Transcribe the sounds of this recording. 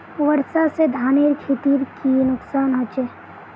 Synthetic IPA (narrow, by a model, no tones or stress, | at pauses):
ʋəɾsased̪ʱaːniɾkʰit̪iɾkinʊksaːnɦot͡ʃe